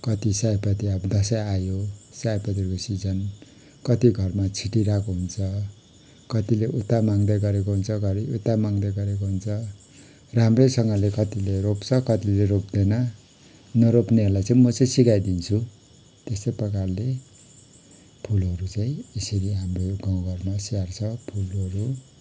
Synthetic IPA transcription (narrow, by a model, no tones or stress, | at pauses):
kʌt̪isajpʌt̪iʌbʌd̪ʌsʌjajosajpʌt̪̬ikosid͡zʌn | kʌt̪iɡʱʌrmat͡sʰiʈiɾakoɦunt͡sʰʌ | kʌt̪ileʔut̪amaŋd̪ʌjɡʌɾekoɦunt͡sʰʌɡʱʌɾiut̪ːamaŋd̪ʌjɡʌɾekoɦunt͡sʰʌ | ramresʌŋɡʌlekʌt̪ileɾopt͡sʰʌkʌt̪ileɾop̚d̪ʌjnʌ | nʌɾopneɦʌrlajt͡sʌ̃ĩmʌt͡saĩsikajd̪int͡sʰu | t̪est̪ʌpʌkarle | pʰulɦʌɾut͡saĩesʌɾiɦamroɡãw̃ɡʱʌrmasiart͡sʰʌpʰulʌɾu